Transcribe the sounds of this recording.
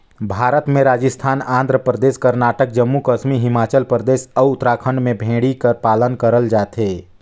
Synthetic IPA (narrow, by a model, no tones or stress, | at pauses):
bʱaːɾət̪mẽɾaːd͡ʒəst̪ʰaːnãːnd̪ɾəpɾəd̪eːʃkɐɾnaːʈək̚d͡ʒɐmːukəʃmiɦɪmaːt͡ʃəlpɾəd̪eːʃɐʊt̪ɾaːkʰə̃ɳɖmẽbʱẽːɽikəɾpaːlənkəɾəld͡ʒaːt̪ɦeː